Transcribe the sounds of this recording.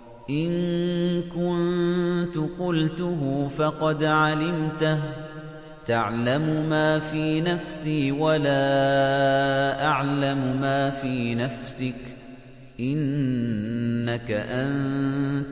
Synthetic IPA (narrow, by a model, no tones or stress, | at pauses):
ʔɪnkʊnnt̪ʊqʊlt̪ʊɦʊfɑqɑd̪ʕalɪmt̪ah | t̪aʕlamʊmaːfiːnafsiːwalaː | ʔaʕlamʊmaːfiːnafsɪk | ʔɪn | akaʔan